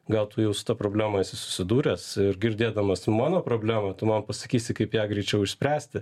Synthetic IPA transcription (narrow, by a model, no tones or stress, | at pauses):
ɡɐlˠt̪ʊjɛʊsʊ̥t̪ɐpɾoːbʲlʲæːmɐɪsʲɪsʊ̥sʲɪd̪uːɾʲɛsɪɾɡʲɪɾʲd̪ʲeːd̪ɐmɐsmɑːnoːpɾoːbʲlʲæːmɐt̪ʊmɐnpɐsɐkʲiːsʲɪkɐɪpjæːɡɾʲɛɪt͡ʃʲɛʊɪʃʲsʲpʲɾʲæːsʲt̪ʲɪ